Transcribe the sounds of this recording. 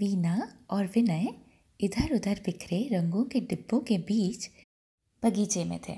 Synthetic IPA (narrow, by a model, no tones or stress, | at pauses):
ʋiːnaɔːɾʋɪnə | ɪd̪ʱəɾʊd̪ʱəɾbɪkʰɾeɾɐ̃ŋɡõkeɖɪbːõkebiːt͡ʃ | b̥ɐɡiːt͡ʃemḛ̃t̪ʰḛː